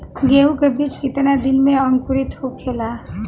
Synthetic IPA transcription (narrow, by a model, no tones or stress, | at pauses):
ɡeukebit͡ʃkɪt̪nad̪inmẽəŋkuɾit̪ɦokʰela